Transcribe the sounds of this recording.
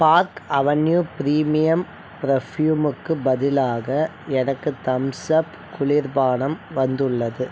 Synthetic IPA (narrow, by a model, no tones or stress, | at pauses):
paːɾkɐʋɐnjupɪɾiːmɪjɐm | pɪɾɐfjuːmɯkːɯbɐðɪlaːɣɐɛnɐkːɯt̪ɐmsɐp | kʊɭɪɾbaːɳɐmʋɐnd̪ɯɭːɐðɯ